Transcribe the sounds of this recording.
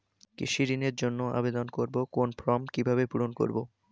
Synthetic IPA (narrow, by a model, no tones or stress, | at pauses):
kḭʃiɾineɾd͡ʑonːoa̰bed̪onkoɾbokonpɾɔmkibʱabepuɾonko̰ɾbo